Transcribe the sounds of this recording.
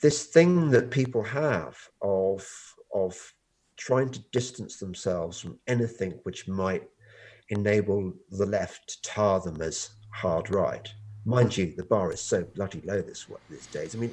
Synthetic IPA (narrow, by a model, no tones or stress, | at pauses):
ðɪsθɪ̃ŋðɨt̚pʰipl̩ˠəv̥ʔəv̥ʔəv̥ | tʰɹ̥aɪɪ̃ŋtʰɨdɪstə̃n̩sðə̃m̩sɛlˠvz̥fɹə̃mɛnɨθɪ̃ŋwɨt͡ʃmaɪɾ | ɨneɪbl̩ˠðəlɛftʰə̥tʰɑɹðə̃mɨz̥hɑɹdɹaɪt̚mãɪ̃nd͡ʒɨðɨbɑɹɨz̥soʊblʌɾiloʊðɪswʌ̰ðɪsd̥eɪzaɪmĩn